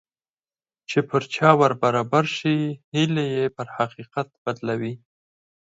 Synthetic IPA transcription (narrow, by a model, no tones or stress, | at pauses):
t͡ʃepəɾt͡ʃɑwəɾbaɾɑbaɾʃihilejepəɾhaqiqat̪̚b̥ad̪lawi